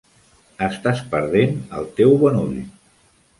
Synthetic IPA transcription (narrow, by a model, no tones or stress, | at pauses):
əst̪aspəɾð̞enə̰lˠt̪ewβɔnṵʎ